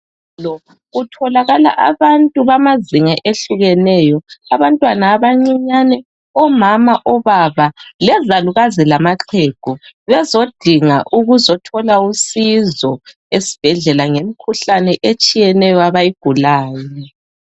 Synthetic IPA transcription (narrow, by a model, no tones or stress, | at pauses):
lɔ | ɣutʰɔlaɣala̰ʔaβantʼuβamaziŋaʔeɬuɣɛnɛjɔaβantʼwanaːβaŋ͡ǀiɲanɛ | ɔmamaʔɔβaβalɛzaluɣazilamaǁʰeɡ̥ʱuβɛzod̥ʱiŋaʔuɣuzɔtʰɔlausizɔ | esi̥b̥ʱɛɮɛlaŋemikʰuɬanɛʔet͡ʃʼijɛnɛjɔaβajiɡ̥ʱulaːjɛ